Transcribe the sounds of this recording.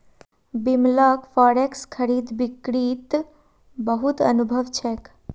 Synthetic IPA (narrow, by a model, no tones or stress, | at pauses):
bimlɔkfɔɽekskʰəɾiːd̪ʋikɾiːt̪ | bəɦut̪ə̰nubʱəʋt͡ʃʰɛk